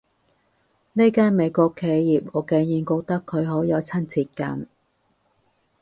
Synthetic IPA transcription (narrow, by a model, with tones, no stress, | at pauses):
ne˥kaː˥nme˨˧jkʷɔː˧kʰːe˨˧jjiː˨p̚ɔː˨˧ke˨˧ŋjiː˨˧nko˧t̪ɐ˥kʰːɵ˨˧ɥɦo˨˥wjɐ˨˧wt͡sʰɐ˥nt͡siː˧t̚kɐ̰˧n